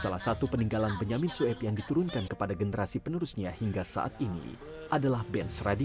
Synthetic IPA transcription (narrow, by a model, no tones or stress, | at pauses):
salahsat̪upəniŋɡalanbəɲamɪnsuɛpjaŋdit̪uɾʊnkankəpadaɡənəɾasipənəɾusɲahiŋɡasa̰ʔa̰t̪inḭ | ʔadalahbɛnsradi